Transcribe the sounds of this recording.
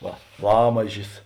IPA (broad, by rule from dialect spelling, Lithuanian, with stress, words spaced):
ˈʋɐ ˈlˠɑːmɐʒʲɪs